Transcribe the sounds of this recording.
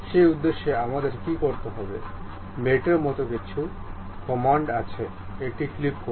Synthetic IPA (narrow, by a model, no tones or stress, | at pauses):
ʃejud̪ːeʃːeamad̪eɾkikoɾt̪eɦɔbḛ | meʈeɾmɔt̪okit͡ɕʰu | kɔmaɳɖat͡ɕʰe | eʈiklipko